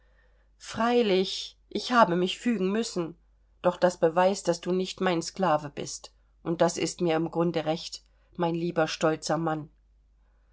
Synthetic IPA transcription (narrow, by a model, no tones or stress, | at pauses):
fʁ̥aɪlɪç | ʔɪçhaːbəmɪçfyːɡŋ̩mʏsn̩ | d̥ɔχd̥asb̥əvaɪsd̥asd̥uːnɪçtmaɪnsklaːvəbɪ̰st | ʔʊnt̚d̥asɪ̰stmiːɐɪmɡʁʊndəʁɛçt | maɪnliːbɐʃtɔlt͡sɐman